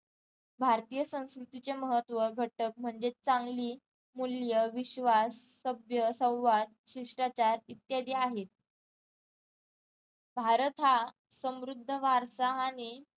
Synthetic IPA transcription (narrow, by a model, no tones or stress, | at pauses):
bʱaɾt̪ijəsə̃w̃skɾut̪it͡ɕeməɦət̪ʋəɡʱəʈək̚m̤əɳd͡zet͡saŋɡliː | muljəʋiɕʋasːəbʱjəsə̃w̃ʋad̪̚ɕiʂʈɾat͡ɕaɾit̪jad̪ʱiaɦet̪̚ | bʱaɾət̪ɦa | səmɾud̪ʱːəʋaɾsaɦañi